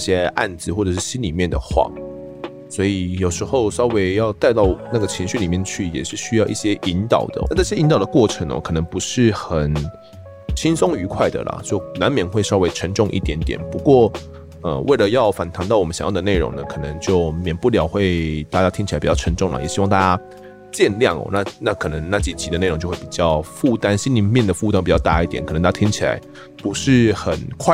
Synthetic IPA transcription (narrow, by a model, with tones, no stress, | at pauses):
i˥˩ɕjɛ˦ʔa̰˥˩nd͡zɹ̩˨˩wɔ˥˩ʈ͡ʂɤ˨˩ʂɻ̩˥˩ɕi˦˥nli˨˩mjɛ˥˩nd̪ə̰˩xwa̰˥˨˩ | swɔ˧˥i˨jo˨˩ʊʂɻ̩˧˥xo˥˧ʊʂɑ˥ʊwe˧˥ɪjɑ˥˧ʊt̪a˥˧ɪt̪ɑ˥˩ʊna˥˩ɡə˩t͡ɕʰi˧˥ŋɕy˥˨li˨˩mjɛ˥˧nt͡ɕʰy˥˩jɛ̰˨˩ʂɻ̩˥˩ɕy˥jɑ˥˧ʊʔḭ˥˩ɕjɛ˥ʔi˧˥nt̪ɑ˨˩ʊd̪̥ə̰˦a˥˧˩ʈ͡ʂɕjɛ˥ʔi˧˦nt̪ɑ˨˩ʊd̪ə˦kwɔ˥˩ʈ͡ʂʰə˧˥ŋə̰˧˩kʰɤ˨˩nə˧˦ŋpu˧˥ʂɻ̩˥˩xə˨˩n | t͡ɕʰi˥nsʊ˥ŋy˧˥kʰwa˥˩ɪd̪ə̰˨lɐ̰˩t͡ɕjo˥˩ʊna˧˦nmjɛ˨˦nxwe˥˧ɪʂɑ˥ʊwe˥ɪʈ͡ʂʰə˧˥nʈ͡ʂʊ˥˧ŋʔḭ˥˩t̪jɛ˧˥nt̪jɛ̰˨˩npu˧˦˥kwɔ˥˩ | ə̰˧wʔḛ˥˩ɪlə˩jɑ˥˩ʊfa˨˩nt̪ʰa˧˥ŋt̪ɑ˥˩ʊwɔ˨˩ə˦˩ɕɑ̰˨ŋjɑ˥˩d̪ə˦ne˥˩ɪɻo̰˧˥ŋnə˨kʰɤ˨˩nə˧˦ŋt͡ɕjo˥˩ʊmjɛ˨˩npu˥˩ljɑ˨˩ʊxwe˥˧ɪt̪a˥˩t͡ɕja˥t̪ʰi˥ŋt͡ɕʰi˨˩a˥˦pi˨˩t͡ɕɑ˥˩ʈ͡ʂʰə˧˥ŋʈ͡ʂʊ˥˩ŋlə̰˩jɕi˥wɑ˥˧ŋ˧t̪a˥˧t͡ɕja˦˥ | t͡ɕjɛ˥˧nljɑ˥˩ŋɔ̰˨˩na˥˩na˥˩kʰɤ˨˩nə˧˦ŋna˥˩t͡ɕi˨˩t͡ɕʰi˧˥d̪ə˧ne˥˩ɻo˧ŋt͡ɕjwe˥˩pi˨˩t͡ɕjɑ˥˧ʊfu˥˩t̪a˦˥nɕi˥nli˧˥mjɛ˥˩nd̪ə˩fu˥˧t̪a˥npi˨˩t͡ɕjɑ˥˧ʊt̪a̰˥˧i˥˩t̪jɛ̰˨˩˦nkʰə˨˩˧t̪a˥a˥i˥ŋt͡ɕʰi˨la̰˧˦ɪ | pu˧˦ʂɻ̩˥˩xə˨˩nkʰwa˥˩